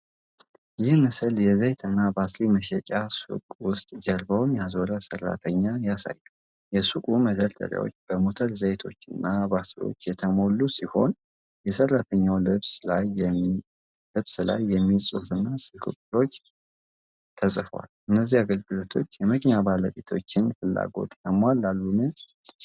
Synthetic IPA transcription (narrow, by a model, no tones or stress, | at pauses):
jɪhməsɨljɛzejt̪ʰɨnːabat̪liməʃɛt͡ʃʼasṵkʼwʊst̪ʼd͡ʒɛɾbəwnjazoɾasərːa̰t̪ʰəɲːajasa̰jːa | jɛsukʼuməd̪əɾd̪ʼə̰ɾja̰wo̰t͡ʃːb̥əmo̞t̪ʰəlzəjt̪ʰo̞̰t͡ʃːɨnːabat̪lḭwo̞̰t͡ʃːjɛt̪ʰəmo̞lːusiho̞̰n | jɛsərːat̪ʰəɲːawlɨβslaj | lɨβsla̰jːɛmːisʼufɨnːasɨlkʰɨkʼːɾo̞t͡ʃː | t̪ʰəsʼfwa̰lɨnːəzːihaɡəlɡɨlo̞t̪ʰo̞t͡ʃːjɛmɨknabaləβe̞t̪ʰo̞t͡ʃːɪnfɨlːa̰ɡo̞̰t̪ʼjəmwalːalːunɨn